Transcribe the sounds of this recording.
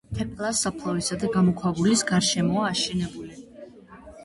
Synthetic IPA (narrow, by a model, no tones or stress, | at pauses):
t̪ʰɛkʼlˠasapʰlˠavisad̪aɡamɔkʰwavulisɡaɾʃɛmɔaːʃɛnɛbuli